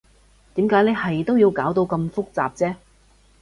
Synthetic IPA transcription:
t̪iː˨˥mkaː˨˥jne˨˧jhɐ˨jt̪o˥wjiː˧wkaː˨˥wt̪o˧wkɐ˧mfʊ˥k̚t͡sa̰ː˨p̚t͡sɛː˥

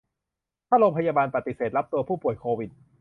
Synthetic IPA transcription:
t̪ʰaː˥˩ɾoː˧mpʰa˧jaː˧baː˧npa˨˩t̪i˨˩seː˨˩t̪̚ɾa˦˥p̚t̪u˧ɐpʰuː˥˩pu˨˩əjkʰoː˧wi˨˩t̪̚

